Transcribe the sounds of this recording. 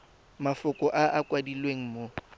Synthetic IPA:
mafʊkʼɔʔaʔakʼwadilweŋ̩mo

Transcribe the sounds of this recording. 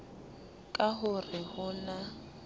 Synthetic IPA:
kʼaɦʊrɪhʊna

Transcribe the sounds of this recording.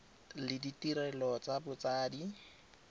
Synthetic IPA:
lɪditiɾɛlɔt͡sabʊt͡saːdi

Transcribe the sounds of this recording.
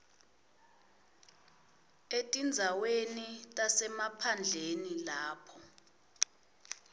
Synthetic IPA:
etʼind͡zʱawenitʼasɛmapʰand͡ɮʱenilaːpʰɔ

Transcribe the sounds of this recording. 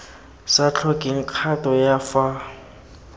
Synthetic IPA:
sat͡ɬʰɔkʼiŋ̩kʰatʼɔjafa

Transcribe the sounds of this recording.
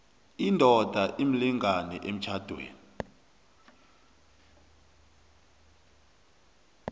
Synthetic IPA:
indʱɔd̥ʱaʔimiliŋanɛʔem̩t͡ʃʰad̥ʱwḛːni

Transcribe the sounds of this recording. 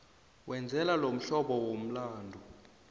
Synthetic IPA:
wʔɛnd͡zʱɛlalom̩ɬɔɓɔwom̩laːndʱu

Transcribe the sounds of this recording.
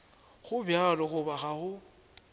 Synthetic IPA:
ɣʊbjalɔɣʊbaɣaɣʊ

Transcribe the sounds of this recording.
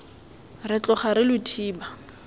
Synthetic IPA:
rɪt͡ɬʼɔχaɾɪlʊtʰiːba

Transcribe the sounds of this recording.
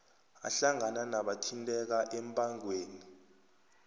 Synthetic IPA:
a̰ɬaŋananaɓatʰintʼɛk̬aʔɛmpʼaŋweːni

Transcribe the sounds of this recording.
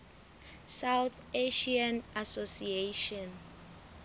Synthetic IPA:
sawt̪eʃiãnasosieʃɔ̃n

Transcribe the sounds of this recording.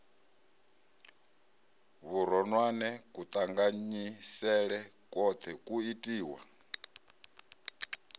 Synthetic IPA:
βuɾɔnwanɛkʼut̪ʼaŋɡaɲisɛɺɛkʼɔt̪ʰɛkʼuitʼiːwa̰

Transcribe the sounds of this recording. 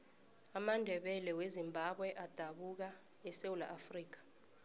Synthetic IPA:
amandʱɛɓɛlɛwezimbʱaɓwɛʔad̥ʱaɓuk̬a | ɛsewula̰ʔafriːk̬ḁ

